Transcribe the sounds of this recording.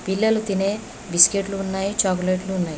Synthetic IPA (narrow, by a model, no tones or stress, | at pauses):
pilːɐlut̪ine | biskeʈluːnːaːjit͡ʃaːkuleʈluːnːaːji